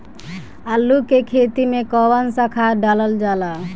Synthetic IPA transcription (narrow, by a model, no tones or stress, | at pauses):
alːukekʰet̪imekɔwansakʰaɖalald͡ʒala